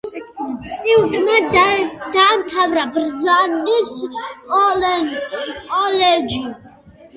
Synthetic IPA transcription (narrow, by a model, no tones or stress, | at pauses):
t͡sʼiwd̪ʼma | d̪aːmt̪ʰavɾabrd͡zandisɔlɛnkʼɔlɛd͡ʒi